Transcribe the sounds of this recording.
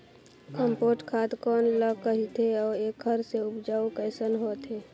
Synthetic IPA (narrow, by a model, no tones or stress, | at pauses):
kəmpoːʈkʰaːt̪kɔːnləkəɦit̪eɔːɾeːkɦəɾseʊpd͡ʒaːukɛːsənɦoːt̪ɦeː